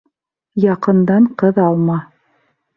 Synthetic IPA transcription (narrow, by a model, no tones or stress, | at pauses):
jɑqɤ̆nd̪ɑɴqɤðɑlˠmɑ